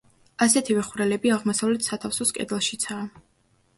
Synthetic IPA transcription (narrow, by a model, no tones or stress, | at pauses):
asɛt̪ʰivɛχuɾɛlɛbiaʁmɔsavlɛt̪ʰsat̪ʰafsɔskʼɛ̰d̪ɛlˠʃit̪sʰaː